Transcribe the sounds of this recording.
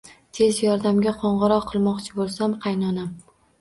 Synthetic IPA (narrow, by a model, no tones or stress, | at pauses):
t̪ʰe̞zjɒɾd̪amɡʲaqʰɒɴʁɨɾɒqʰːɨlˠmɒqt͡ʃʰɪbolˠsamqʰɑjnɒnam